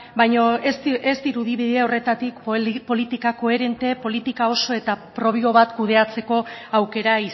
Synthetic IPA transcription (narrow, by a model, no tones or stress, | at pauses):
bajɲosest̪iɾuðiβiðiaore̞t̪at̪ikppo̞lit̪ikako̞e̞ɾe̞nt̪e̞po̞lit̪ikao̞so̞e̞t̪apɾo̞βio̞βat̪kuð̞e̞at͡se̞ko̞awke̞ɾai